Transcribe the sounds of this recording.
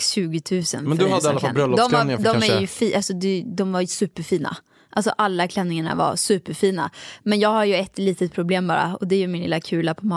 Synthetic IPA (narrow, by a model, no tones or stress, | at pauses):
ɕʉ̟ːɡɪt̪ʰʉ̟ːsə̰nmɛnd̪ɵhad̪ːəalːafalbɾœlːɔd̪ɔmɛaɪad̪ɔɛɾjɵfiːʔalsɔd̪ɛd̪ɔmvaɾjsʉ̟ːpəɾfiːna̰ | ʔalsɔʔalːakʰlɛnːɪŋaɳa̰va̰ɾsʉ̟ːpːəɾfiːna̰mɛnjɑːɡhaɾjɵɛt̪ːliːt̪ət̪̚pʰɾʊbleːmbɑ̰ːɾa̰ɔd̪ɛæjɵmɪnlɪ̰lːakʰʉ̟ːlapʰɔmɑː